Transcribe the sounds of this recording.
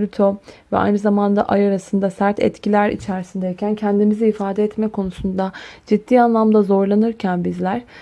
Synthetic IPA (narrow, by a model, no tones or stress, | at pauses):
lʲyt̪ʰovɛ̰a̰jnɯzamand̪a̰ʔajaɾasɯnd̪asæɾt̪ʰɛ̰t̪cʰilʲæɾḭt͡ʃʰæɾisind̪ɛjcʰæncʰɛnd̪imiziːfaːd̪ɛɛt̪mɛkʰo̞nusund̪ad͡ʒid̪̥ːiːanlˠamd̪azo̞ɾlˠanɯɾcʰænbizlʲæɾ̥